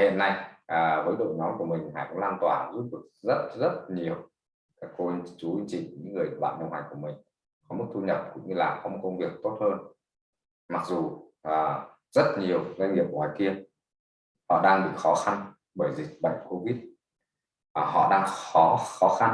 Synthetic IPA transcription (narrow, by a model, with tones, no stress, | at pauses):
hḭ˧˨nːa˧jʔəː˨˩vəː˨˦jɗo̰˧˨jnɔ˨˦mku˧˩əmï˨˩ŋ̟ha̰ː˧˩jkʊ̰˧˥ŋ͡mlaː˧nt̪waː˧˩zu˦˥t̚ɗɨ˨˩ək̚zə˦˥t̚zə˦˥t̚ɲi˨˩əw | kaː˨˧˩kkːo˧t͡ɕu˨˦i˧ŋt͡ɕḭ˧˨˩ŋ˨˩ɲɨ̰˧˥ŋːɨ˨˩əjɓa̰ː˧˨nə˧wŋ͡mha˨˩ŋku˧˩əmï˨˩ŋ̟ | kɔ˨˦mə˦˥t̪̚ʰu˧ɲə˨˩p̚kʊ̰˧˥ŋ͡mɲɨ˧laː˨˩mkɔ˨˧˦mo˨˧˩kə˧wŋ͡mvi˨˩ək̚t̪o˦˥t̚həː˧n | ma˨˩k̚zu˨˩ʔəː˨˩ | zə˦˥t̚ɲi˨˩əwzə˧ŋ̟ŋi˨˩əp̚waː˨˦jki˧ə | hɔ̰˧˨ɗaː˧ŋɓḭ˧˨xɔ˨˦xa˧n | ɓəː˧˩jzï˨˩k̟̚ɓə̰˧˨jŋ̟ko˧vi˦˥t̚ | aː˨˩ɦɔ̰˧˨ɗaː˧ŋxɔ˨˦xɔ˨˦xa˧n